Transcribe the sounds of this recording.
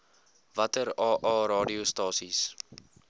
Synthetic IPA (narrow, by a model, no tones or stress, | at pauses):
vɐtəɾɑːʔɑːɾɑːdiustɑːsis